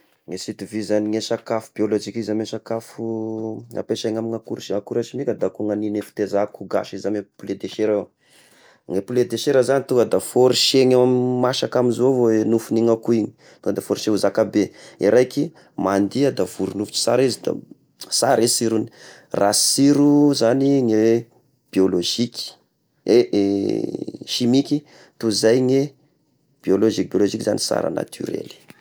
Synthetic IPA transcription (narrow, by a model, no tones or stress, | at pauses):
ŋesit̪ivizaniŋesakafu̥b̥iolod͡ʒikizamesakafuŋa̰peʃaŋamiŋakuɾʃŋakuɾat͡ʃimikʲəd̪akuŋaninefi̥t̪ezakuɡa̰ʃizamepuled̪eʃeɾe | ŋepuled̪eʃeɾəzanit̪uŋɡəd̪afoɾiʃeɲaammaʃakamizovoenufuniŋakuiɲi̥ | t̪uŋkəd̪afoɾiʃeuzakabeḭɾajki | mand̪iad̪av̥uɾunufu̥t͡ʃi̥saɾizid̪a̰ | saɾezsiɾuni | rḁsiɾuzaniŋewe | b̥ioloʒikʲi̥ | ee | ʃimiki | t̪uzajŋe | b̥ioloʒik̚bioloʒikʲiza̰nisa̰ɾa̰na̰t̪ʰy̰ɾḛli̥